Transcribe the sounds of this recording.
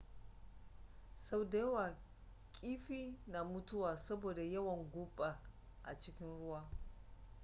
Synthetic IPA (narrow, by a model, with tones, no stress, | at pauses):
sɐ˦wda˦jwaː˨ | kʲʼiː˦ɸiː˦na˨mʊ˦tʊ˦waː˨sɐ˦boː˨da˨jɐ˦wɐ˨ŋɡʷʊ˦ɓa˨ | ʔa˨t͡ʃɪ˦kʲɪ˦nɽʊ˦waː˦